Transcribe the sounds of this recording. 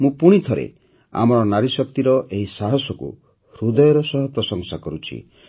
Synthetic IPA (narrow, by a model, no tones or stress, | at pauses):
mũpuɽ̃it̪ʰɔɾḛ | a̰mɔɾɔnaɾisɔk̚t̪iɾɔʔeɦisaɦɔsɔkṵ | ɾud̪ɔjɔɾɔsɔɦɔpɾɔsɔŋsakɔɾut͡ʃʰḭ